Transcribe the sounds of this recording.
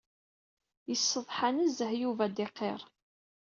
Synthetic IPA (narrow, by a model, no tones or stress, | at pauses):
jəsːəðˤħanəzəhjuvæd̪ɪqːeɾˤ